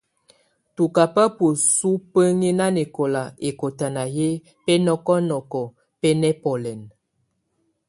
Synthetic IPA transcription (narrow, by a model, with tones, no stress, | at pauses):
tu˨ka˨pə˦po˨su˦pə˦ŋe˦na˦ne˨ko˨la˨e˨ko˨ta˨na˨je˦ | pɛ˦nɔ˦kɔ˦nɔ˨kɔ˨ | pɛ˦nɛ˦pɔ˨lɛ˨n